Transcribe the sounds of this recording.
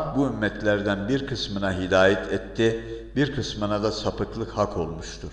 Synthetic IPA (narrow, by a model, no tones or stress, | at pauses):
buymːɛt̪lʲæɾd̪ænbiɾkʰɯsmɯnaɦid̪aːjɛt̪ʰɛt̪ʰːi | biɾkʰɯsmɯnad̪asapɯk̪lˠɯkhakʰo̞lˠmuʃt̪ʰuɾ̥